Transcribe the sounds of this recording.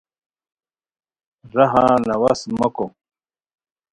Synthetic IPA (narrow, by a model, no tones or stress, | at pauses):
ɾɐɦãːnɐwasmɐko